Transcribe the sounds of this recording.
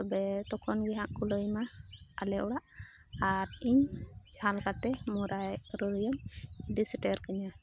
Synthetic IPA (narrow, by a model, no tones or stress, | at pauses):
t̪ɔbɛt̪ɔkʰɔnɡɛɦãʔkuləjmaːlɛʔɔɽaʔ | aɾiɲd͡ʒãlkat̪ɛmɔɾajɾɔɾijɔmd̪isiʈɛɾkaɲa